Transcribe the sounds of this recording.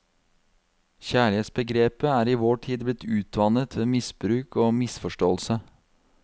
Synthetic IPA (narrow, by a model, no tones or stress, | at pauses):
çæːɭɪeːt̪sbəɡɾeːpəæːɾiːʋoːʈʰiːd̪blɪt̪ʰʉːt̪ʋɑːnət̪ʰʋeːmɪsbɾʉːkʰoːmɪsfɔʂʈoːlsə